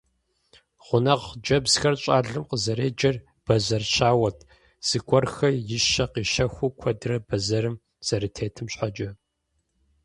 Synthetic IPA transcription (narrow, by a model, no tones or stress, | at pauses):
ʁ̥ʷʊnɐʁd͡ʒɐbzxɐrɕʼaːɮɨmqəzɐɾeːd͡ʒɐr | b̥ɐzɐrɕaːwɐtʰ | z̥ɨɡʷʼɔrxɐjɪʃɐqiːʃɐxʷukʷʰɔdɨrɐbɐzɐɾɨm | z̥ɐɾɨtʰeːtʰɨmɕħad͡ʒʼɐ